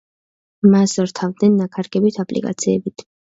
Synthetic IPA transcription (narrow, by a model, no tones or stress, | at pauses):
masɔɾt̪ʰavd̪nɛnːakʰaɾɡɛbit̪ʰapʼlḭkʼa̰t̪sʰiɛbit̪ʰ